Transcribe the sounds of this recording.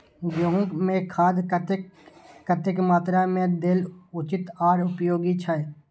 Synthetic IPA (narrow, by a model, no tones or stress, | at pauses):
d͡ʒoɦʊ̃ːkmẽkʰaːd̪t̪ː | ət̪ɪkmaːt̪ɾamẽd̪ɪlʊt͡ʃɪt̪aːɾʊpjoːɡit͡ʃʰaːeː